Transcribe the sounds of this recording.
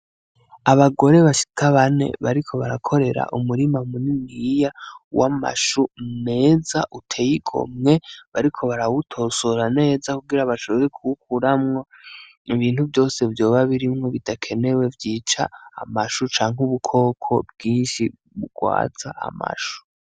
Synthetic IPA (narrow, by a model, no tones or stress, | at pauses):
aβaɡo̞ɾe̞βaʃi̥tʰaβane̞̰βaɾikʰo̞βaɾakʰo̞ɾe̞ɾa̰ʔumuɾimamuniŋɡijawama̰ʃune̞ːzaʔutʰe̞jiɡʰo̰mŋe̞βaɾikʰo̞βaɾawutʰo̞ːsoɾane̞ːzakuɡiɾaβaʃo̞βeɾekʰuwukuɾamŋo | iβiːnhuvjo̞ːse̞vjo̞ːβaβiɾimŋo̞βidakʰe̞ne̞we̞vjiːt͡ʃa̰ːmaʃut͡ʃaːŋ̥huβukʰo̞ːkʰo̞̰bɡiːnʃi | βuɡwa̰ːt͡sa̰ʔa̰ma̰ʃu̥